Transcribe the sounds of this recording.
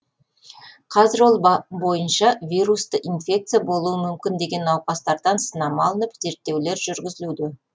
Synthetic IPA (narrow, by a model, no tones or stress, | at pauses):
qʰɑzɪɾwo̞lˠbbo̞jənʃɑvʲijɾust̪əʔinfʲe̞k̚t̪sɨjabo̞lˠuəmʏmkʲɪnd̪e̞ɡʲe̞nːɑwqɑst̪ɑɾd̪ɑnsənɑmɑlˠənəpz̥e̞ɾt̪ːe̞wle̞ɾʒʏɾɡʲɪzɪlud̪ɪ